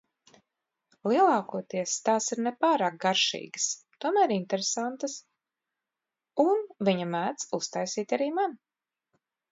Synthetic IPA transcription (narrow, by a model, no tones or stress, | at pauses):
lˠiɛlˠɑːkuɔt̪iɛst̪aːsiɾnepaːɾɑːk̚ɡaɾʃḭːɡəst̪uɔmæːɾint̪eɾesant̪əs | unviɲamæːt̪sust̪ajsiːt̪ʲaɾiːman